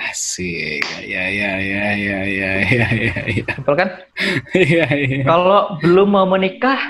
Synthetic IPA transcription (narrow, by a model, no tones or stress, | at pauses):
hsija̰jajajajajajajajaupʊlkan | ijaakalobəlʊmːamənikah